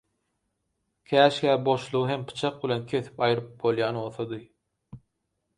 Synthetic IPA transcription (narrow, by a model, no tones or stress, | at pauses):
kʲʰæːʃkʲæːbo̞ʃlˠuʁɯɦempʰɯ̥t͡ʃʰɑq̚bilʲe̞nkʲʰe̞θi̥pɑjɯɾɯp̚bo̞lˠjɑːno̞lˠθod̪ɯ